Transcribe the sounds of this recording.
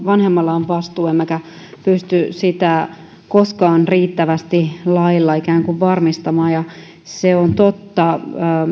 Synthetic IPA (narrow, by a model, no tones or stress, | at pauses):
ʋɑnhemːɑlːɑoʋʋɑst̪uːemːækæ | pyst̪ysit̪æ | koskɑːnriːt̪ːæʋæst̪ilɑilːɑikæːŋkuʋʋɑrmist̪ɑmɑːjɑ | seont̪ot̪ːɑː